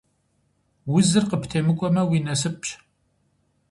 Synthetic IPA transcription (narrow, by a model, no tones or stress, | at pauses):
wʊzɨrqəptʰeːmɨkʷʼɔmɐwiːnɐs̬ɨp̚ʰʼɕ